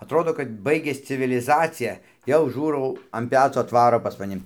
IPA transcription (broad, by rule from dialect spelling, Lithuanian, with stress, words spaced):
ɐtˈroːdoː kɐt ˈbɐɪɡʲɛs t͡sʲɪʋʲɪlʲɪˈzɑːt͡sʲɪjɛ jɛʊ ˈʒuːrɐʊ ɐn ˈpʲæːt͡soː ɐtˈʋɑːroː pɐs mɐˈnʲɪ